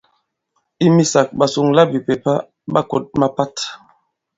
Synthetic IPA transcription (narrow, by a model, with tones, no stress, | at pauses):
i˦mi˦sa˨k̚ɓa˨su˨ŋla˦bi˨pe˨pa˦ | ɓa˦ko̰˨t̚ma˦pa˦t